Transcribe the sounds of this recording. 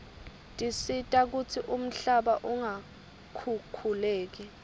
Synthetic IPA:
tʼisitʼak̬utʰiʔum̩ɬaɓaʔuŋa | kʰukʰulɛːk̬ɛ

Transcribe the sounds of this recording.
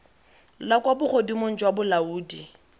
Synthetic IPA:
lakwabʊχodimon̩d͡ʒwabʊlauːdi

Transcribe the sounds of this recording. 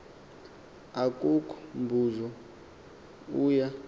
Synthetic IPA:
akʼukʰumbʱuzɔ | uːja

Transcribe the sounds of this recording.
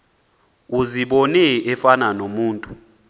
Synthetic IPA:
uziɓɔnɛʔɛfananomuːntʼu

